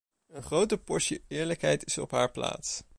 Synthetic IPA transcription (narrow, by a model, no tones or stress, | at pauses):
ənχrowtəpɔɹʃjəɪːɹləkɦɛjtɪsɔ̰pɦaːɹpla̰ːts